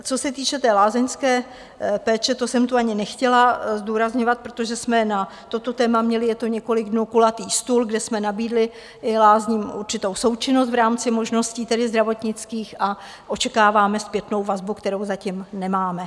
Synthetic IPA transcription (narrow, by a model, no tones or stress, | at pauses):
t͡so̞sɛt̪iːt͡ʃɛt̪ɛːlaːzɛɲskɛː | pɛːt͡ʃɛt̪o̞sɛmt̪uaɲɪnɛxcɛlazduːɾazɲovat̪̚pɾot̪o̞ʒɛsmɛna | t̪o̞t̪o̞t̪ɛːmamɲɛlɪjɛt̪o̞ɲɛko̞lɪɡdnuːkulat̪iːst̪ulɡdɛsmɛnabiːdlɪ | ʔɪlaːzɲiːmʔuɾt͡ʃɪt̪owso̞wt͡ʃɪnos̬t̪vɾaːmt͡sɪmo̞ʒno̞sciːt̪ɛdɪzd̪ɾavo̞t̪ɲɪt͡skiːxʔa | ʔo̞t͡ʃɛkaːvaːmɛspjɛt̪no̞wvazbukt̪ɛɾowzacɪmnɛmaːmɛ